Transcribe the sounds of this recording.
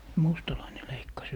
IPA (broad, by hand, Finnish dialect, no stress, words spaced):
mustɑlɑine leikːɑs